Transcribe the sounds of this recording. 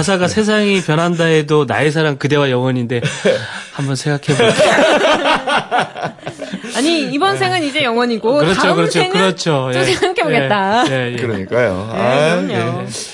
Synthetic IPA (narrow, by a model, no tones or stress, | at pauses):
as̬ʰaɡasʰe̞s̬ʰaŋipjʌnɦandaedona̰es̬ʰaɾaŋkɯde̞wajʌŋwʌɲinde̞hambʌnsʰe̞ŋɡakʰe̞bo | aɲiibʌnsʰe̞ŋɯnid͡ʑe̞jʌŋwʌɲiɡokɯɾʌt͡ɕʰokɯɾʌt͡ɕʰokɯɾʌt͡ɕʰojosʰeŋɡakʰeboɡet̚t͈ajejekɯɾʌɲik͈ajo̰aje